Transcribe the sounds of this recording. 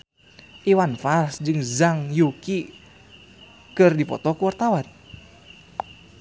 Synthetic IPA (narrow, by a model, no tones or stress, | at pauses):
ʔiwanfarsd͡ʒɨŋzaŋjuki | kɨrdipɔ̰t̪ɔkuwart̪awan